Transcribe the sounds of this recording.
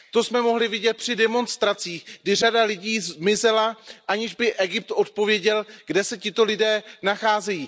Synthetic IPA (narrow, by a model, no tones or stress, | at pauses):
t̪o̞smɛmo̞ɦlɪvɪɟɛt̪̚pr̝̥ɪdɛmo̞nst̪ɾat͡siːxɡdɪr̝adalɪɟiːzmɪzɛlaʔaɲɪʒbɪʔɛɡɪp̚t̪ʔo̞t̪̚po̞vjɛɟɛlɡdɛsɛcɪt̪o̞lɪdɛːnaxaːzɛjiː